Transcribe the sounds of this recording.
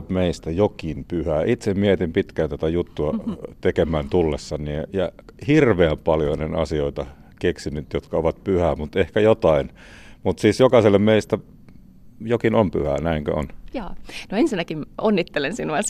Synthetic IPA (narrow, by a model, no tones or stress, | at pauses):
pmeist̪æjokinpyhæːʔit̪semmiet̪impit̪kæːnt̪æt̪æjut̪ːuɑt̪ekemæːnt̪ulːesːɑniejɑhirʋeæmpɑljonenɑsioit̪ɑ | keksinyt̪jot̪kɑoʋɑt̪̚pyhæːmut̪ehkæjot̪ɑin | mut̪siːsjokɑselːemmeist̪æ | jokinompy̰hæ̰ːnæiŋkø̰o̰njɑːnoensinːækimonːit̪ːelensinuɑs